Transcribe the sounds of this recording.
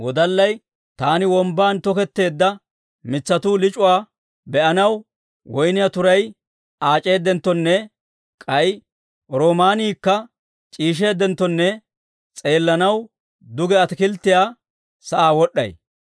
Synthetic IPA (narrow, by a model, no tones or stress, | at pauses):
wɔd̪ɐlːɐj | t̪aːnɪwɔmbaːnt̪ɔkɛt̪ːe̞ːd̪ːɐ | mɪt͡sːɐt̪uːlɪt͡ʃʼʊwaː | bɛʔɐnɐw | wɔjnɪjat̪ʊɾɐj | aːt͡ʃʼe̞ːd̪ːɛnt̪ːɔnːɛ | kʼɐj | ɾoːmaːniːkːɐ | t͡ʃʼiːʃ̬e̞ːd̪ːɛnt̪ːɔnːɛ | t͡sʼe̞ːlːɐnɐw | d̪ʊɡɛɐt̪ɪkɪlt̪ːɪjaː | sɐʔaːwɔɗːɐ̰j